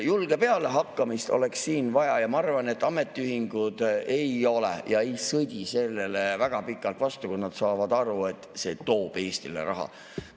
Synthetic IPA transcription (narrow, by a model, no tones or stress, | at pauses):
julɡ̥e̞pe̞ɑle̞ɦɑkːɑmist̪o̞̰le̞ksːiːnvɑjɑjɑmɑɑrvɑne̞t̪ːˑɑme̞t̪ːˑiyɦiŋɡ̥ud̪̥e̞jo̞lḛjɑe̞jsɤd̪̥ʲise̞lːe̞levæɡ̥ɑpikːˑɑlt̪vɑst̪ukusnɑd̪̥sɑːvɑd̪̥ɑɾue̞t̪ːˑse̞t̪o̞ːb̥e̞ːst̪ilḛɾʔɑ̰ɦɑ̰